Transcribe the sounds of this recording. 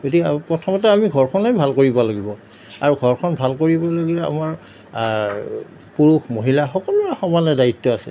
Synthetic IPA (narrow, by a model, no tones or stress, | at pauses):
ɡotikɛpɹɔtʰɔmɔtɛamiɡʱɔɹkʰɔnɔbʱalkoɹibaloɡibɔ | a̰ɹuɡʱɔɹkʰɔnbʱalkoɹibɔloɡilɛa̰maɹ | puɹuxmoɦilaxɔkɔluaxɔmanɛdajitːɔasɛ̰